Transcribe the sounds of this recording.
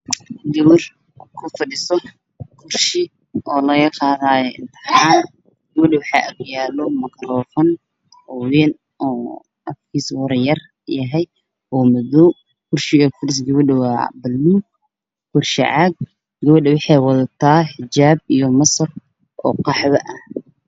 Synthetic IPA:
ɡɐwɪr | kʰʊfɐɖɪsɔ | kʰʊrʃɪ | ʔɔːlɐɣɐqɑːðaːjɔɪnt̪ʰɐħaːn | ɡɐβɐɗɛwɑħɑʔɐkjaːlɔmɐkʰɐɾɔːfɐn | ɔwɛːn | ʔɔː | ɐfkʰiːswɐɾjɐr | jɐɦɛj | ɔːmɐðɔw | kʰʊrʃɪɔfʊɾɪs̬ɡɐβɐɗɛwɑːbɐlːuː | kʰʊrʃɪ̰ʕɑːɡ̚ | ɡɐβɐɖɛwɑħɑjwɑðɐt̪ʰaːħɪt͡ʃaːbijɔmɐsɐr | ʔɔ̰ːqɑħβɐʔɐh

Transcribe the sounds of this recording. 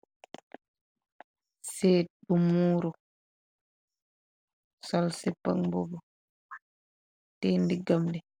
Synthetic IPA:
sɛːɗumuːɾɔ | sɔlsɛpːa̰ŋbɔbɔ | tɛndiɡamdɛ

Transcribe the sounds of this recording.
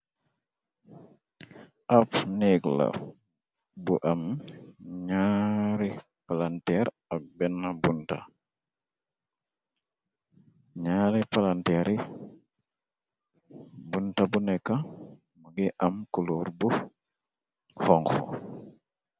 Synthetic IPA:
ʔapniɡla̰ | buʔam | ɲaɾi | palantɛɾ | abɛnːabunta̰ | ɲaɾipalantɛɾi | buntabunɛkːa | muɡiʔamkuluɾbu | hɔŋxɔ̰

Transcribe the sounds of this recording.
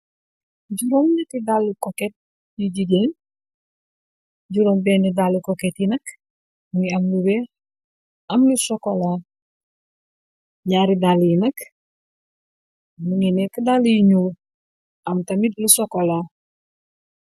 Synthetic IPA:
ɟuɾomɲatidalːukoket̚ | jiɟiɟen | ɟuɾombenidalukoketinɐk | muŋiamlube | amlusokola | ɲaːɾidaljinɐk | muŋinekidaljiɲuːl | amtamidlusokola

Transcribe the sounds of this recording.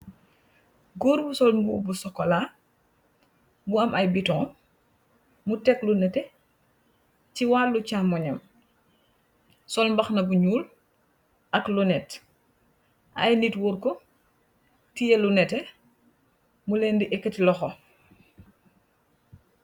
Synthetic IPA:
ɡuːɾbusɔlmbubusɔkːɔla | buɐmʔɐjbitɔŋ | mutɛklunɛtɛ | ciwaːlːucamɔɲɐm | sɔlmbɐxnɐbuɲuːl | ʔɐklunɛt | ʔɐ̰jnitwɔːɾkɔ | tijelunɛtɛ | mulɛːndiʔɛkːətilɔxɔ

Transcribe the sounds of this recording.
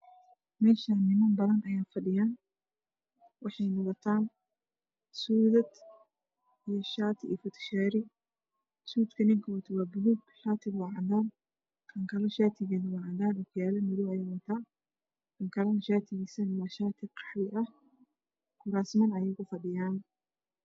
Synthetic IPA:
mɛːʃanːɪmɐmbɐðɐnʔɐjaːfɐɗɪjaːn | wɑħɑjnɔʁɔt̪ʰaːn | suːðɐd̪ | ijɔʃaːt̪ʰɪʔifʊt̪ʰʃaːɾɪ | suːd̪kʰɐnɪŋkʰɐwɐt̪ʰɐwaːbʊluːɡʃaːt̪ʰɪwɑːʕɑdaːn | kʰɐŋkʰɐlɔʃaːt̪ʰɪɣɛːðɐwɑʕɑdaːnʊkʰʊjaːlɐnʊluːɐjaːwɐt̪ʰaː | kʰɐŋkʰɐlɐnʃaːt̪ʰɪɣisɐnɪmɐʃaːt̪ʰɪqʰɑ̥ħwɪʔɐh | kʰʊɾaːsmɐnɐjɛjkʰʊfɐɖɪjaːn

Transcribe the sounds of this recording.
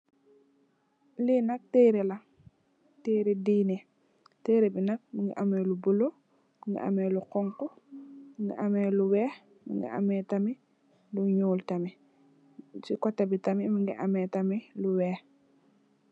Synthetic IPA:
linɐk̚teːɾelaŋ | teːɾediːne | teːɾebinak̚miŋɡḭʔamelubulo | miŋɡḭʔa̰meluqɔŋkomiŋɡḭʔamɛluwɛː | mḭŋɡḭʔa̰mɛtami | luɲuːltami | t͡ʃikɔtːabitamimiŋɡḭʔamɛtamiluwɛː

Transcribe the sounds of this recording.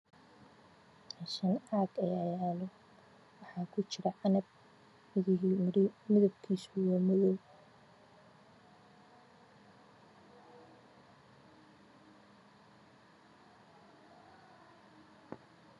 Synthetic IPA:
aʃɐnaːɡɐjajaːlɔ | wɑħɑːkʰʊt͡ʃɪɾɐʔɑnɐb̚ | mɪðɪimɪðɐb̚kʰiːsʊwɑːmɔðɔw

